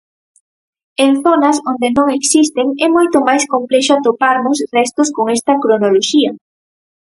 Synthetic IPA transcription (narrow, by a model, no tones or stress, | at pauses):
enθonɐsond̪enõŋeksist̪eŋɛmojt̪ʊmajskomplɛʃʊat̪opaɾmʊs̬rɛst̪ʊskoŋɛst̪ɐkɾonoloʃiɐ